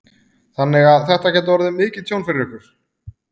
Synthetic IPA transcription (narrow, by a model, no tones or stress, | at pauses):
θanːɪɣaðθɛht̪acʰɛːt̪̬avɔɾʏðʏmɪːcɪt̪ʰjownfɪɾɪɾɪhkʏɾ̥